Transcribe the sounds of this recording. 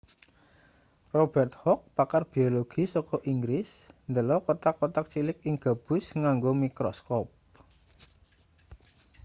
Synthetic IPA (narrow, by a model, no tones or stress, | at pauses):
rob̥ɛrt̪̚hɔk̚pakarb̥ioloɡ̥i̤sɔkɔʔiŋɡɾɪsnd̪əlɔkɔt̪akːɔt̪ak̚t͡ʃilɪkɪŋɡ̥a̤b̥ʊ̤sŋaŋɡomikɾɔskɔp̚